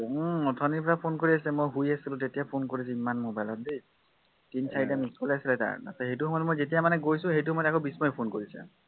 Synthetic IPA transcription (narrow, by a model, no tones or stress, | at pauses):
ɔtʰɔniɹpɔɹapʰonkoɹiasɛmojɦujasilʊ̃tetijapʰonkoɹisɛimanmobajlɔt̚di | tinsʰaɹitamiskɔlasilɛta̰ɹa̰sɔɦejtuɦɔmɔtmojzetijamanɛɡojsʊ̃ɦejtuɦɔmɔjtɛkobismɔjpʰonkoɹisɛ̰